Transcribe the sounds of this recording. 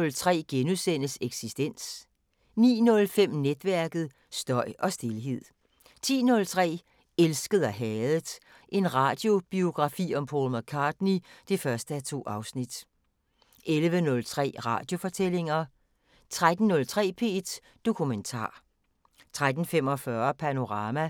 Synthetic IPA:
ɔlt͡sʰʁɛ̰ːɡ̥enusen̰əseɡ̥sisd̥en̰s | nḭːnɔ̽lfem̰ned̥ʋæɐɡ̥ð̩ˠ | sd̥ɒ̽ɪ̰ʔɒ̽sd̥e̝lɦe̝ð̰ˠ | t͡sʰḭːnɔ̽lt͡sʰʁɛ̰ː | elsɡ̥əð̩ˠæɦɛːðˠd̥ˠ | ʔe̝nʁɑ̈ːd̥jo̝b̥io̝ɡ̥ʁɑ̈fḭːɒ̽mpʰoːlmækʰɑ̈ːd̥nid̥e̝fɶɐsd̥əæt͡sʰo̝̰ːɑ̈ʊsnid̥ | ʔelʋənɔ̽lt͡sʰʁɛ̰ːʁɑ̰̈ːd̥jo̝fɒ̽t͡sʰel̰e̝ŋɐ | t͡sʰʁad̥n̩ːɔ̽lt͡sʰʁɛ̰ːpʰe̝̰ːd̥ | d̥o̝kʰument͡sʰɑ̰̈ː | t͡sʰʁad̥n̩fem̰ɒ̽fɶɐpʰæno̝ʁɑ̈ːmæ

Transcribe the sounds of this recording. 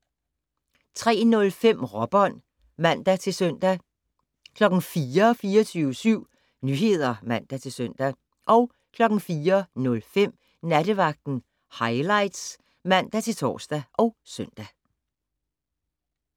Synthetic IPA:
t͡sʰʁɛ̰ːnɔ̽lfem̰ʁɒ̽b̥ɒ̽n̰ | mæn̰d̥æt͡sʰe̝søn̰d̥æ | kʰlɒ̽ɡ̥n̩fiːɐɒ̽fiːɐt͡sʰyːʊəsyʊ̰ | nyːɦe̝ð̞̰ˠɐmæn̰d̥æt͡sʰe̝lsøn̰d̥æ | ʔɒ̽ʊ | kʰlɒ̽ɡ̥n̩fiːɐnɔ̽lfem̰ | nædəʋɑ̈ɡ̥̚d̥n̩ | hɑ̈ɪlɑ̈ɪd̥s | mæn̰d̥æt͡sʰe̝lt͡sʰɒ̰ːsd̥æʔɒ̽ʊsœn̰d̥æ

